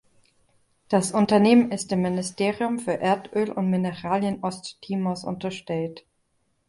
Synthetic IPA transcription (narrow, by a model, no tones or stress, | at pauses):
d̥asʔʊntɐneːmənɪstɪmːɪnɪstʰeːʁiʊmfyːɐʔeːɐtʔøːlʔʊ̰ntmɪnəʁaːljənʔɔsttʰiːmɔsʔʊ̰ntɐʃtɛlt